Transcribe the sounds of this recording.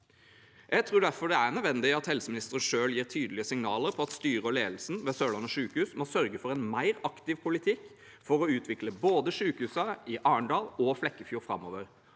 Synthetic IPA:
jʔæɪt̪ʰɾuːɖ̪æɾfɔɖɛæʁnœʋɛnd̪ɪɑt̪hɛlsəmɪnɪst̪əɾənʂøːljiːʁt̪ʰyːd̪əlɪəsɪŋnɑːləɾpʰɔɑt̪st̪yːɾəɔleːd̪l̩snʋɛsøːlɑnəʂʉːkhʉːsmɔsœɾɡəfɔɾɛnmæɪʁɑkt̪ɪʋpʰʊlɪt̪ʰɪkː | fɔɾɔʉːt̪ʰʋɪkləboːd̪əʂʉːkəhʉːsəɪʔɑːəɳɖɑːlɔflɛkːəfjuːɾfɾɑ̰mo̰ːʋəɾ

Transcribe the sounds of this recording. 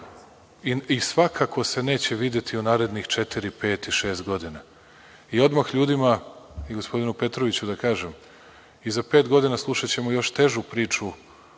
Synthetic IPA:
iisʋakʰakʰo̞se̞ne̞ːt͡ɕe̞ʋid̪je̞t̪ʰiunaːɾe̞d̪nixt͡ʃet̪iɾipe̞ːt̪iʃe̞ːst̪ɡo̞d̪ina | io̞d̪maxʎuːd̪imaiɡo̞spo̞d̪inupe̞t̪ɾoʋit͡ɕud̪akaːʒem | izape̞ːt̪ɡo̞d̪inaslˠuʃat͡ɕe̞mo̞jo̞ʃt̪e̞ʒupɾiːt͡ʂu

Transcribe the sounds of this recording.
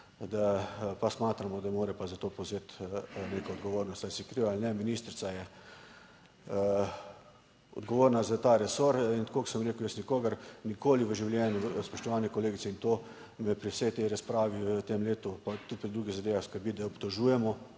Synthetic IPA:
d̪apasmaːt̪ɾamɔd̪amoːɾɛpazat̪oːpowzeːt̪neːkɔɔd̪ɡɔʋoːɾnɔst̪asikɾiʋalnɛminiːst̪ɾit̪sajɛ | ɔ̰d̪ɡɔʋoːɾnazat̪aɾɛsoɾint̪akoːksəmɾeːkʊwjəsnikoːɡəɾnikoːliʋəʒiwljɛːnjuspɔʃt̪ɔʋaːnɛkɔleːɡit̪sɛint̪oː | mɛpɾiwsɛjt̪ɛjɾɐspɾaːʋiʋət̪emleːt̪upat̪ut̪̚pɾid̪ɾuːɡiɣzad̪eːʋexskəɾbit̪̚d̪aɔpt̪ɔʒuːjɛmɔ

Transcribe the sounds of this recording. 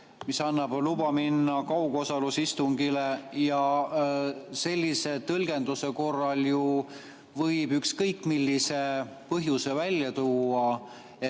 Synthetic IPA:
misɑnːɑb̥lubɑminːɑkɑwɡ̥o̞sɑlusist̪uŋɡile̞jɑ | se̞lʲːise̞t̪ɤlɡ̥e̞nd̪use̞ko̞rːɑlju | vɤjbykskɤjkːˑmilʲːise̞ | pɤɦjuse̞vælʲjɑt̪uːɑ | e

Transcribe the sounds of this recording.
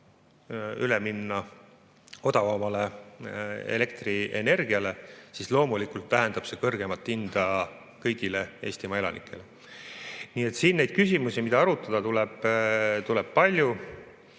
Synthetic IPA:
yleminːɑ | o̞d̪ɑvɑmɑle̞ | ḛle̞kt̪rie̞̰ne̞rɡ̥iɑle̞sislo̞ːmulikult̪ːæɦend̪̥ɑb̥se̞kɤrɡ̥e̞mɑt̪ːˑind̪̥ɑ | kɤjɡ̥ile̞e̞ːsʲt̪imɑe̞lɑ̰nḭkːˑe̞̰le | niːe̞t̪siːnːe̞jd̪̥kysimusimid̪ɑɑɾut̪ːˑɑd̪̥ɑt̪ulɛb̥t̪ulɛb̥̚pɑlʲju

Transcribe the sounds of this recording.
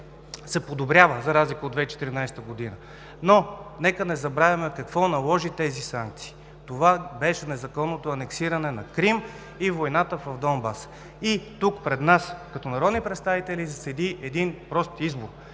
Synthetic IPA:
sɛpod̪obɾʲavəzɐɾazlikəod̪vɛit͡ʃɛ̥t̪iɾinajst̪əɡod̪inə | nonɛkənɛzɐbɾavʲjɐmɛkɐkvɔnɐlˠɔʒit̪ɛzisaŋk̚t̪si̥ː | t̪ovabɛʃɛnɛzɐkɔnːot̪oɐnɛksiɾɐnɛnɐkɾim | ivojnat̪əvɐvd̪ɔnbas | it̪ukpɾɛd̪naskɐt̪ɔnɐɾɔd̪nipɾɛt̪st̪avit̪ɛlizɐsɛd̪iɛd̪inpɾɔst̪izboɾ

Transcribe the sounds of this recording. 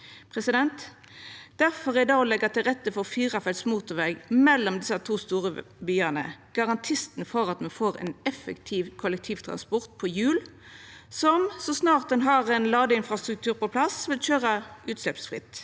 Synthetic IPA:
pʰʁɛsɪd̪ɛnt̪ | d̪̥æʁfɔʁɛd̪ɑːɔlɛɡɑt̪ɪlʁɛt̪ːəfɔʁfyːʁɑfɛt̪smuːt̪ʊʋɛɡmɛlːɔmd̪ɪsɑt̪ʰuːst̪uːʁəbyːɑnə̰ɡ̥ɑʁɑnt̪ʰɪst̪n̩fɔʁɑt̪mɛnfoːʁɛ̰nɛfɛkt̪ʰiːʋkʰɔlɛkt̪ʰiːʋt̪ʰʁɑ̰nspɔʁt̪̚pʰɔjʉːl | sɔmsɔsnɑːʁt̪̚d̪ɛnɦɑʁɛnlɑːd̪əɪnfɾɑst̪ʁʉk̚t̪ʰʉːɾpɔpʰlɑsʋɪlçøːʁɑʉːt̪slɛpsfʁɪ̰t̪ː

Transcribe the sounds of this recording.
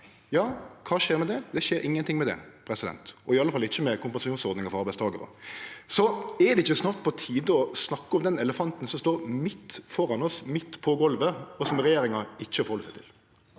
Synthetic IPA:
jɑːkʰɑːʃeːɾmɛd̪ɛd̪ɛʃeːɾʔɪŋːənt̪ɪŋmɛd̪ɛ̰pʰɾɛsɪd̪ɛ̰nt̪ɔɪɑləfɑlːɪçːəmɛkʊmpɑnsɑʃuːnsɔɾd̪nɪŋɑfɔɑɾbæɪst̪ʰɑːɡəɾə̰sɔɛd̪ɛɪçːəsnɑːʁt̪̚pʰɔt̪ʰiːd̪əɔsnɑkːəɔmd̪ɛnɛləfɑnt̪n̩sɔmst̪oːɾmɪt̪ːfɔɾɑnɔsmɪt̪ːpʰɔɡɔlʋəɔsɔmɛɾɛjeːɾɪŋɑɪçːəɔfɔɾhɔləsæɪt̪ʰɪ̰l

